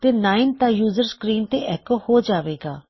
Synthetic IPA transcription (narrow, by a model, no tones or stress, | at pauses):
t̪eːnaːɪnt̪ãːjuːzəɾskɾiːnt̪eːʔɛːkoːhoːd͡ʒaːʋeːɡaː